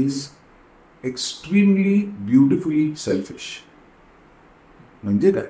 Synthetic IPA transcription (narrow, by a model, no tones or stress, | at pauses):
ɪz | eksʈɾĩːmlibjuːʈɪfʊlisɛlfɪʃ | mə̃nd͡ʒeda̰